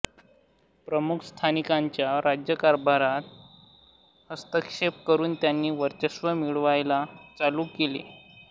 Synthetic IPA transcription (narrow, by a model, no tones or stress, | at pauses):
pɾəmukʰst̪ʰanikaɲt͡ɕjaɾad͡ʑjəkaɾbʱaɾat̪̚ | həst̪əkʂep̚kəɾuːnt̪janːiːʋəɾt̪əsʋəmiɭʋajlat͡saluːkelḛ